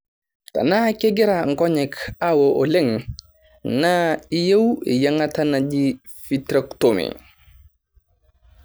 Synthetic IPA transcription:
ta̰nakɛɡɛɾaŋkɔɲɛkawɔʔɔlɛŋ | naijawɛ̰jaŋatanad͡ʒi | fitɾaktomɛ̰

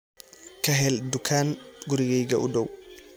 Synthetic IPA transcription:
kɐɦɛldukʰanɡuɾiɡɛjɡɐʔṵdɔw

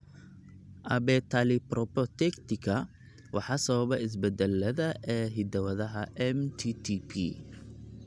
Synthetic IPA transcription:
ʔɐbɛt̪ʰaliprɔpɔt̪ʰɛkt̪ɪkʰɐ | wɑħɑsɐβɐβɛɪs̬bɛd̪ɐlːɐðɐʔɛːɦɪd̪ɐwɐðɐɦɐʔɛmt̪ʰit̪ʰipʰḭ

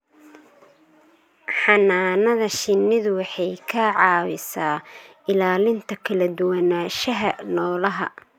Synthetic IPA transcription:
ħɑnaːnɐðɐʃɪnːɪðʊwɑħɑjkʰɐʕɑːwɪsaː | ɪlaːlɪnt̪ʰɐkʰɐlɐd̪ʊwɐnaːʃɐɦɐnɔːlɐɦɐ̰

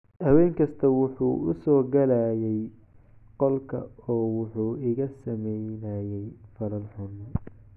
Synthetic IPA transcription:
hɐwɛːŋkʰɐst̪ʰɐwʊħuːʊ̰sɔːɡɐlaːjɛj | qɔlkʰɐ̰ɔːwʊħuːɪɣɐsɐmɛjnɐjɛjfɐɾɐlħʊnɔ

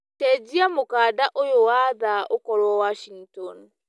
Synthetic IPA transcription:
tɛd͡ʑiamokaːdaʔojowaðaokɔɾwɔwaʃiŋtɔn

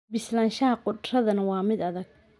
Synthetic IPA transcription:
bɪslaːnʃɐɦɐqʊd̪rɐðɐnɐwɑːmɪd̪ɐðɐɡ

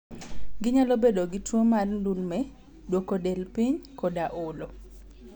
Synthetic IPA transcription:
ɡɪɲalobedoɡɪtwomarndulmɛ | dwokodɛlpiɲkɔdaʔʊlo

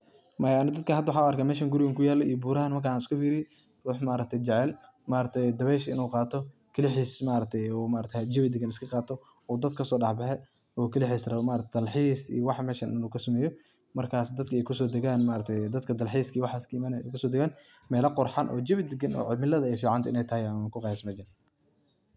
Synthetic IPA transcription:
mɐjaːnɪd̪ɐd̪̚kʰɐhɐd̪ɐwħaːʊɐrkʰaːmɛːʃɐːŋɡʊɾɪwɛŋkʊjaːlːɔijɔbuːɾɐhɐnmɐrkʰaːaːnɪskʊfiːɾɪjɛ | ruːħmaːɾɐk̚t̪ʰɛjd͡ʒɛʕɛl | maːɾɐt̪ʰɛjd̪ɐβɛʃɪ̰nuːqɑːt̪ʰɔ | kʰɐlɪħiːsmaːɾɐt̪ʰɛjɔːmaːɾɐt̪ʰɛd͡ʒɛβɪd̪ɪɡɐnɪskʰɐqɑːt̪ʰɔ | ɔːd̪ɐd̪̚kʰɐsɔːɗɑħbɛħɛ | ɔːkʰɐlɪħiːsrɐmaːɾɐkt̪ʰɛd̪ɐlħiːsḭjɔwɑħmɛːʃɐnʔɪ̰nuːkʰɐsɐmɛːjɔ | mɐrkʰaːsd̪ɐd̪kʰɐɛjkʰʊsɔːd̪ɐɣaːnmaːɾɐt̪ʰɛjd̪ɐd̪kʰɐd̪ɐlħiːskʰiwɑħaːskɐmanɛ̰kʰʊsɔːd̪ɛɣaːn | mɛːlɐqʊrħɑnʔɔ̰ːd͡ʒɪβɪd̪ɪɡɐnɔ̰ːʕɪmɪlɐðɐɛjfiːʕɑnt̪ʰɐɪnɛjt̪ɐhɛjmakʰʊqɑjsmɐd͡ʒɐn

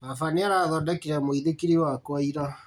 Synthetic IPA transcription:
afaneaɾaðɔdɛkiɾɛmoiðekiɾiwakwaiɾa

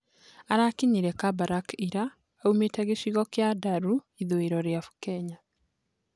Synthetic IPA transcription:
aɾakiɲiɾɛkabaɾakiɾaː | umetɛɣeʃiɣɔkjadaɾuiðoeɾɔɾjafu̥kɛɲa

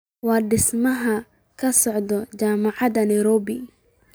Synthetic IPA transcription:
wɑːɖɪsmɐɦɐ | kʰɐsɔʕd̪ɔt͡ʃaːmɑʕɑd̪ɐnɐjɾɔːbɪ

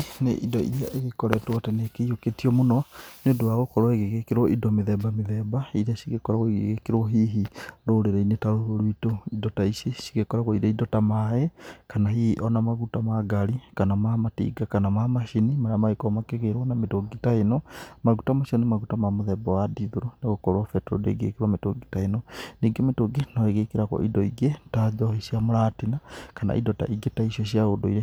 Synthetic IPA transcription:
nḛʔidɔḭɾiaʔeɣekɔɾɛtwatɛnekeioketiɔmonɔneondowaɣokɔɾɔeɣeɣekeɾwɔʔidɔmeðɛbameðɛbaiɾaʃiɣekɔɾaɣoiɣḛɣekeɾwɔɦiɦiɾoɾeɾainetaɾoɾoɾoitoidɔtaiʃeʃi̥ɣekɔɾaɣoiɾaidɔtamaekanaɦihiʔɔnamaɣutamaɡaɾikanamamatḭɡakanamamaʃinimaɾamaekɔmakeɣeɾwɔnametoɡitaenɔmaɣutamaʃɔnemaɣutamamoðɛbɔwadiðoɾoneɣokoɾwafɛtuɾo̰dḛɡḛkeɾwametoɡitaenɔniːɡemetoɡenɔeɣekeɾakɔ̰ʔidɔiɡetad͡ʒɔheʃiamoɾatinakana̰ʔḭdɔta̰ʔiɡetaiʃiɔɕiaodoḭɾe

